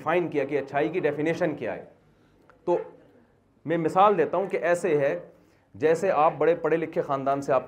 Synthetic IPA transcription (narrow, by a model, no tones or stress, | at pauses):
fʰaːɪnkijakiɐtːʃʰaːikiɖɛːfɪneːʃənkija̰ːɦḛː | t̪oː | mɛ̃mɪsaːld̪eːt̪aɦũkeʔɛːseɦɛ | d͡ʒɛːseʔaːp̚bɐɽepɐɽelɪkʰːexaːnd̪aːnseaːp̚